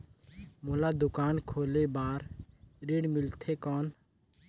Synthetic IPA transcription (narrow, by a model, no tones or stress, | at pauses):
moːlaːd̪ʊkaːnkʰoːleːbaːɾɾiɽmɪlt̪ʰeːkɔːn